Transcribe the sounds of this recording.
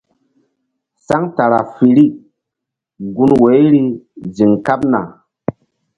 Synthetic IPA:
sa˦ŋta˨ɾa˨fi˨ɾi˦ | ɡu˦nwe˨˦jɾi˦zi˨ŋka˦p̚na̰˨

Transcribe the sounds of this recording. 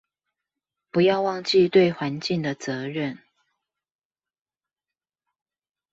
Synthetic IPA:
pu˨˦jɑ˥˧ʊwɑ˥˧ŋt͡ɕi˥˧t̪we˥˨ɪxwa˧˦nt͡ɕi˥˨ŋd̪ə˩t͡sɤ˨˧˦ɻə˥˨n

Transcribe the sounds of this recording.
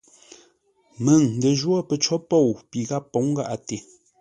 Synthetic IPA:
mə˨ŋn̩˨də˨ʒwɔ˦pə˨t͡ʃɔ˦po˦˨wpi˨ɣa˦pːo˨˦ŋ˦ɡa˦ʔa˨te˨

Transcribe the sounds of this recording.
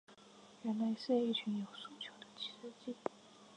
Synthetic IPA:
ɻə˧˥nle˧˥ɪʂ̩˥˧˥i˥˩t͡ɕʰy˧˥njo˨˩ʊsu˥˩t͡ɕʰjo˧˥ʊd̪ə˧t͡ɕʰi̥˧˥ʂə˥˧t͡ɕi˥˩

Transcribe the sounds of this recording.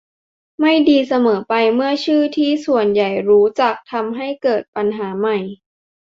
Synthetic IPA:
ma˥˩jdiː˧sa˧mɤː˩˦pa˧jmɯ˥˩ɐt͡ɕʰɯː˥˩t̪ʰiː˥˩su˨˩ənja˨˩jɾuː˦˥t͡ɕa˨˩k̚t̪ʰa˧mɦa˥˩jkɤː˨˩t̪̚pa˧nɦaː˩˦ma˨˩j

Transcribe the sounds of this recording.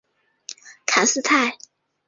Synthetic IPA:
kʰa˨˩nsɹ̩˥˧t̪ʰa˥˩ɪ

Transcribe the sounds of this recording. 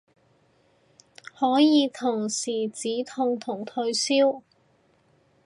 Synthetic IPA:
hɔː˨˥jiː˨˧t̪ʰʊ˨˩ŋsiː˨˩t͡siː˨˥t̪ʰʊ˧ŋt̪ʰʊ˨˩ŋt̪ʰɵ˧ɥsiː˥w

